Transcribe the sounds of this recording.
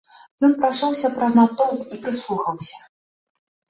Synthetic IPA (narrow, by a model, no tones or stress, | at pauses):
jɔnpɾaʂɔwsʲɐpɾɐznat̪ɔwpipɾɨslˠuxɐwsʲɐ